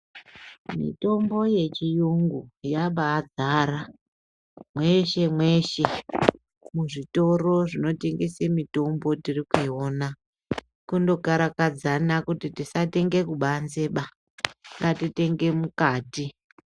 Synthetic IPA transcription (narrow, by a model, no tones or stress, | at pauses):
mḭto̞mbo̞je̞t͡ʃijuŋɡujaɓaːd͡zaɾa | mwe̞ʃe̞mwe̞ʃe̞ | muʐito̞ro̞ʐino̞te̞ŋɡesemito̞mbo̞tirikuiona | kundo̞ɡʱaɾakad͡zanakutitisate̞ŋɡe̞kuɓanze̞ɓa | ŋɡatite̞ŋɡe̞mukaːti